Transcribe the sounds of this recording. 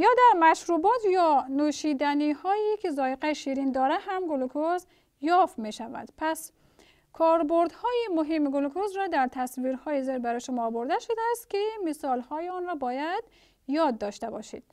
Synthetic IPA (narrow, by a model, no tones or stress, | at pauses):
jɒːd̪æɾmæʃɾubɔːt̪jɔnuʃid̪ænihɔːjikʰizɔːjeqæʃiɾind̪ɒɾæɦæmɡulkʰoz | jɒfmeʃævæ̰d̪̥pʰæs | kʰɔːɾboɾd̪hɔːjimʊɦemːɡulukʰozɾɔd̪æɾt̪ʰæsviɾhɔːjizeɾbæɾɔjʃumɔːboɾd̪æʃʊd̪æːst̪kimisɔlhɔːjiɔnɾɔːbɔːjæd̪̥ | jɒːd̪̚ːɒʃt̪æbɒ̰ʃḭd̪̥̚